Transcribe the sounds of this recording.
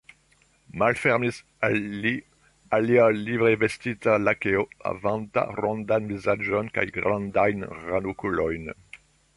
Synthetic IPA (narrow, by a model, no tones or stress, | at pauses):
malfɛʁmis | ai | alialivʁevest̪it̪alakeoa̰vãnt̪a̰ʁõnd̪anvizad͡ʒɔnka̰jɡʁãndajnʁanukulɔjn